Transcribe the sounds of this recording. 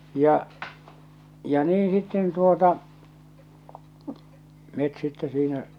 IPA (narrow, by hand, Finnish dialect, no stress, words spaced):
jɑ jɑ niː sitːen tuotɑ met sitːe siːnæ